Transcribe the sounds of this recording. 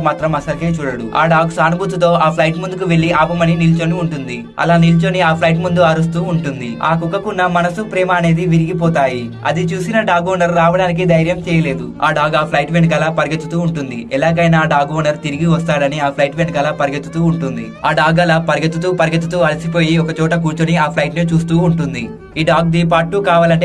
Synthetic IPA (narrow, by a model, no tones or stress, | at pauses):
maːt̪ɾɐmɐsɐlkeːt͡ʃuːɽɐɽua̰ːɖaːɡsaːnubut̪ut̪o̞ːʔaːpʰlɐjʈmund̪ukuʋe̞ɭːiaːpɐmɐninilt͡ʃoːniuɳʈund̪i | ɐ̰laːnilt͡ʃoːniaːpʰlɐjʈ̬mund̪uɐɾɐs̬t̪uːuɳʈund̪ia̰ːkukːɐkunːɐmɐnɐsupɾɛːmɐːne̞ːd̪iʋiɾiɡipɔːt̪aːji | ɐ̰d̪it͡ʃuːsinɐɖaːɡoːnɐɾɾaːʋɐɽaːnik̬id̪ɐjɾjɐmt͡ʃɛːjɐle̞ːd̪ua̰ːɖaːɡaːpʰlɐjʈʋenɐk̬ɐlaːpɐɾɡet̪ːut̪uːuɳʈund̪iʔɛlaːk̬ɐjnaːɖaːɡʋɔːnɐɾt̪iɾiɡiʋɐst̪aːɽɐniaːpʰlɐjʈʋenɐkɐlapɐɾɡet̪ːut̪uːuɳʈund̪i | aːɖaːɡɐlapɐɾɡet̪ːut̪uːpɐɾɡet̪ːut̪uːɐlɐsipoːjiɔkɐt͡ʃɔːʈɐk̬uːɾt͡ʃoːniaːpʰlɐjʈnet͡ʃuːst̪uːuɳʈund̪i | iːɖaːɡ̚d̪iːp̬aːʈːuːkaːʋaːlɐɳʈe